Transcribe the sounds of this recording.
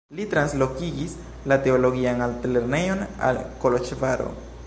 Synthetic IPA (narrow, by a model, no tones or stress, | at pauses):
lit̪ɾanslokiɡis | lat̪eoloɡianalt̪eleɾnejona̰lkolot͡ʃvaɾo̰